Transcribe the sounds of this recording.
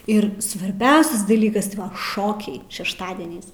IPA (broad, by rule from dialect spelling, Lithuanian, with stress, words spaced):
ɪr sʋɐrʲˈbʲɛʊsʲɛs dɐˈlʲiːkɐs ˈʃoːkʲɛɪ ʃʲɛʃˈtɑːdʲiɛnʲɛɪs